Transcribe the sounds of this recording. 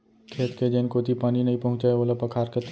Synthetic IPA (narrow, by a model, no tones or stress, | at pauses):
kʰeːt̪ked͡ʒenkot̪ipaːninɐɦĩpɐɦʊ̃t͡ʃaeoːləpɐkʰaːɾket̪